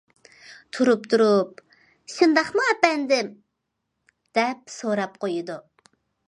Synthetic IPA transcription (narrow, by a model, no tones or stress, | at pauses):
t̪ʰuɾup̚t̪ʰuɾup̚ | ʃɨnd̪ɑχmʊɛpɛnd̪ɪm | d̪̥ɛp̚soɾɑp̚qʰojud̪u